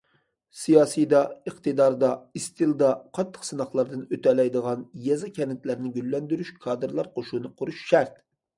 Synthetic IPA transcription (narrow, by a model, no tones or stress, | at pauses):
sijɑːsijd̪ɑəqt̪ɨd̪ɑɾd̪ɑist̪ʰɨlˠd̪ɑqʰɑt̪ʰːə̥qsɨnɑχlˠɑɾd̪ɨnøt̪ɛlɛjd̪əʁɑnjɛzɨkʲʰɛnɪt̪læɾnɪɡʲylːɛnd̪yɾyʃkʰɑːd̪ɨɾlˠɑɾqʰoʃunɨqʰʊɾuʃʃæɾt̪